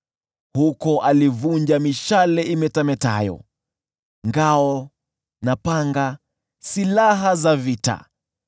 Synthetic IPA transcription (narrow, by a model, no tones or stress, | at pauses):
hukɔʔalivuɲd͡ʒamiʃalɛimɛtamɛta̰jɔ̰ | ŋɡaɔ | napaŋɡa | silaɦazavita̰